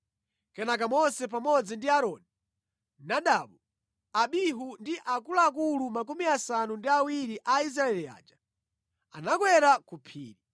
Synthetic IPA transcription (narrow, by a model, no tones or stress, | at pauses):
kɛnak̬amɔsɛp̬amɔd͡zindiaɾɔːni | naɗaɓu | aɓiɦundiʔakulaːk̬ulumak̬umiasanundiawiɾiʔais̬ɾaɛlia̰ːd͡ʒḁ | anak̬wɛɾakupʰḭːɾi